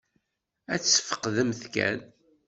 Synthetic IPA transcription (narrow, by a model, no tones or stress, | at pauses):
æt͡sːə̥fə̥qːðəmθkæ̰n